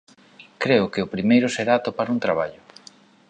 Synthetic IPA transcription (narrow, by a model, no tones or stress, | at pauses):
kɾeʊkɪʊpɾimejɾʊseɾaːt̪opaɾunt̪ɾaβ̞aʎʊ